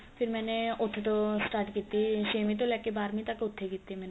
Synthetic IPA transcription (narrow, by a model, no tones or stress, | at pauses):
fʰiɾmɛneot̪ʰːet̪osʈaɾʈkit̪ːiʃemit̪̬olɛkːebaɾmit̪akeot̪ʰːeɡit̪ːimɛne